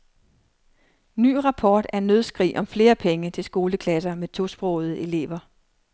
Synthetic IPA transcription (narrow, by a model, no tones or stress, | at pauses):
ny̰ːʁɑ̈pʰɒːd̥æɐenːøðˠsɡ̥ʁḭːʔɒ̽mfle̝ːɐpʰeŋət͡sʰe̝lsɡ̥o̝ːləkʰlæs̬ɐmet͡sʰo̝sb̥ʁɔʊð̩ˠəe̝le̝̰ːʋɐ